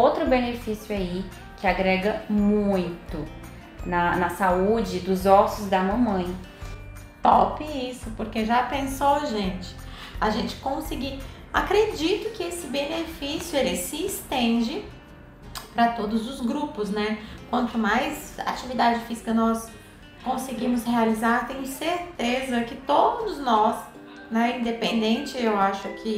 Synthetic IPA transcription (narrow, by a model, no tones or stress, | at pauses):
owt̪ɾʊbenefisjʊai | kʰɪaɡɾɛɡɐmũj̃t̪ʊ | nɐnɐsaud͡ʒɪd̪ʊzɔsʊzd̪ɐmɐ̃mɐ̃j̃ | pɔ̰pɪisʊpoɾkeʒapẽsowɐʒẽnt͡ʃɪ̥ | aʒẽnt͡ʃɪ̥kõsiɡi | akɾed͡ʒit̪ʊkɪesɪbenefisjʊelɪsɪːst̪ẽd͡ʒɪ | pɾɐt̪od̪ʊzʊzɡɾupʊznɛkwɐ̃nt̪ʊmajza̰t͡ʃivid̪ad͡ʒɪfizikɐnɔs | kõsɪɡĩmʊshealizaɾt̪ẽɲ̃ʊseɾt̪ezɐkɪt̪od̪ʊznɔs | nɛĩnd̪epẽnd̪ẽnt͡ʃɪewaʃʊkʰɪ